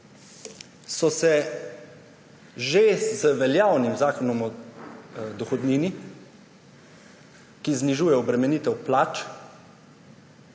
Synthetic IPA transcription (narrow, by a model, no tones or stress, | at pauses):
sɔsɛ | ʒezəʋɛljaːwnimzaːkɔnɔmɔ | d̪ɔxɔd̪niːni | kizniʒuːjɛɔbɾɛmɛniːt̪ɛwplaːt͡ʃ